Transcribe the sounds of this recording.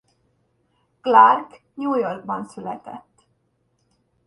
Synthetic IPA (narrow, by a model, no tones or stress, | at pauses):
klark | ɲuːjorɡ̚bɒnsylɛ̰t̪ɛ̰t̪ː